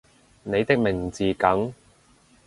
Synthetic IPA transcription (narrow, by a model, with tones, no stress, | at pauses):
ne˨˧jt̪ɪ˥k̚mɪ˨˩ŋ˨t͡siː˨kɐ˨˥ŋ